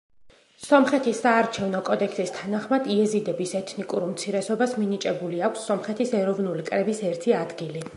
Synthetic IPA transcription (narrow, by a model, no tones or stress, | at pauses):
sɔmχɛt̪ʰisaːɾt͡ʃʰɛvnɔkʼɔd̪ɛksist̪ʰanaχmad̪iɛzid̪ɛbisɛt̪ʰnikʼuɾmt̪sʰiɾɛsɔbasminit͡ʃʼɛbuliakʰʷsːɔmχɛt̪ʰisɛɾɔvnulikʼɾɛbisɛɾt̪ʰiad̪ɡili